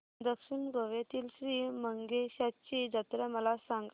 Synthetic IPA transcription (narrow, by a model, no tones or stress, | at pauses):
d̪əkʂinɡʱəʋjet̪iːlɕɾiːməŋɡeɕat̪t͡ɕid͡ʑat̪ɾɛməlasãŋɡ